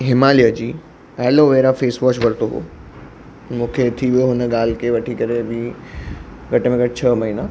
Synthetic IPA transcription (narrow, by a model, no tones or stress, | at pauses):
ɦɪmaːlijəd͡ʑiː | ɛːloʋeːɾafeːsʋɔːʃʋɐɾt̪oɦo̰ː | mũːkʰet̪ʰiʋijoɦʊnə̆ɠaːl̤ɪkʰeʋɐʈʰikɐɾebɪ | ɡʱɐʈmẽɡʱɐʈt͡ɕʰəmɐɦina